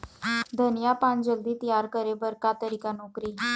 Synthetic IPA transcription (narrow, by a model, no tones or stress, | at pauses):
d̪ʱənjapãnd͡ʑəld̪ʱiːt̪əjaɾkəɾebəɾkat̪əɾikanokɾiː